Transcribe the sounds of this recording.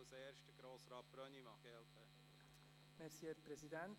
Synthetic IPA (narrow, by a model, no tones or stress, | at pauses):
wsɛːɾʃtəɡɾoːsɾɑːt̚b̥ɾœnimɑɡ̥ɛlt̪ə | mɛɾsiɛɾpɾɛsidɛnt